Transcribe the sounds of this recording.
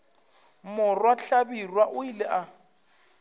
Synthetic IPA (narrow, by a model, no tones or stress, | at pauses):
mʊrwaɬabirwaʔʊilɪʔa